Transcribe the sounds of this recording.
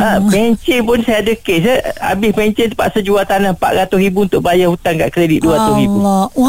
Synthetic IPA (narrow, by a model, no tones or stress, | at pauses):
ʔəbɛɲt͡ʃɛŋpʊnsajadəkes̬əa̰bɪsbɛɲt͡ʃɛ̃nt̪upa̰ʔsəd͡ʒuat̪anahpa̰ʔɾat̪ʊsribuunt̪ʊʔbajahut̪anka̰ʔkɾedit̪̚duaɾat̪ʊɾibu